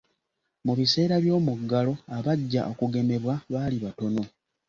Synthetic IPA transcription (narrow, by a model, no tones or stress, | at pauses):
muβise̞ːɾaβjo̞ːmuɡːalo̞aβaɟːaʔo̞kuɡe̞me̞βwaβaːliβato̞no̞